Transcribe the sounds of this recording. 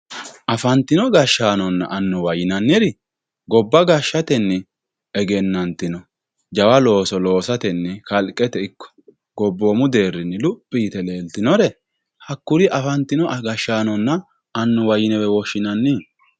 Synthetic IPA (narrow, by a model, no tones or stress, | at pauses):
ʔɐfɐnt̪ːɪnɔɡɐʃːaːnɔnːɐ̰ʔɐnːʊwɐjɪnɐnːɪɾɪ | ɡɔbːɐɡɐʃːɐt̪ɛnːɛ | ɛɡɛnːɐnt̪ɪnɔ | d͡ʒɐwɐlo̞ːsɔlo̞ːsɐt̪ɛnːɛkɐlkʼːɛt̪ɛɪkːɔ̥ | ɡɔbːoːmʊd̪e̞ːrːɪnːɪlʊpʼːiːt̪ɛle̞ːlt̪ɪnɔɾɛ | hɐkːʊɾɪʔɐfɐnt̪ːɪnɔʔɡɐʃːaːnɔnːɐː | nːʊwɐjɪnɛwɛwɔʃːɪnɐnːɪ